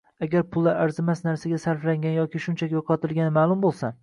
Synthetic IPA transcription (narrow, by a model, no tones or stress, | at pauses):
aɡʲaɾpʰʊlˠːaɾaɾzɪmasnaɾsaɡʲasaɾflaŋɡʲanjɒkʲʰɪʃʊnt͡ʃʰakʲjoqʰɒt̪ʰɪlˠɡʲanɪmaːlˠʊmbolˠsa